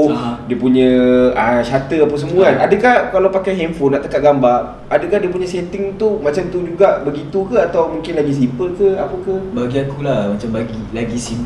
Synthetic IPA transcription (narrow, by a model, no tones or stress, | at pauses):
diəpuɲə̃aʃat̪əapasəmũaadəkahkalawpakajɦɛmfonaʔt̪əkat̪̚ɡambaʔ | adəkaɦdiəp̬uɲə̃set̪ɪŋt̪umãt͡ʃamt̪ud͡ʒuɡaʔbəɡit̪ukəat̪awmũŋkɪnlaɡis̬ipəlkəapəkabaɡiakulahmat͡ʃambaɡilaɡisip